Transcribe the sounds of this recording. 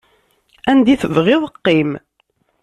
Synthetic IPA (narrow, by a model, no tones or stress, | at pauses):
ænd̪iθəvʁɪðˤəqːim